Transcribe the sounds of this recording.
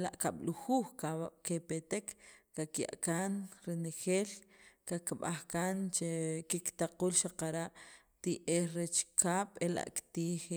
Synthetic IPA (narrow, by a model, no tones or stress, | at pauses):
la̰ʔkaɓ̥luxuːxkakepet̪ekːakja̰ʔkanɾenexeːlkakɓaxkaːnt͡ʃekikt̪aquːlʃaqaɾaʔ | t̪iʔeːxɾet͡ʃkʰaːɓ̥ela̰ʔkt̪iːx